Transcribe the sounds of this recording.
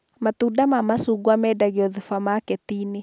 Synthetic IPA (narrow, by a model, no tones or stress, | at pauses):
mat̪udamamasuɡwamɛdaɣeɔðufamakɛt̪ini